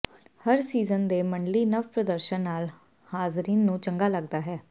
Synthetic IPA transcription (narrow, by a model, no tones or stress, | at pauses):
həɾsiːzənd̪eːməɳɖliːnəʋpɾəd̪əɾʃənːaːl | haːzɾiːnːũːt͡ʃəŋɡaːləɡd̪aːɦɛː